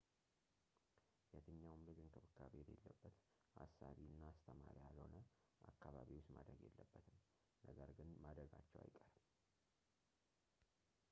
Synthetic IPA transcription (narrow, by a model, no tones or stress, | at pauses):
jɛt̪ʰɨɲːawmlɨɡɨnk̪ʰəβɨkʰːaβelelːəbːət̪ | ʔasaβiɨnːaːst̪ʰəmaɾjalho̞nə | ʔakːaβaβiwosmad̪ɾəɡjelːəbːət̪ʰɨm | nəɡəɾɡɨnmad̪ɾəɡat͡ʃːɛwa̰jkʼəɾəm